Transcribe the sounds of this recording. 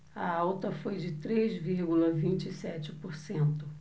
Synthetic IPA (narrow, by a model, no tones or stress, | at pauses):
ɐawt̪ɐfojd͡ʒɪt̪ɾezviɾɡulɐvĩnt͡ʃɪsɛt͡ʃɪpoɾsẽnt̪ʊ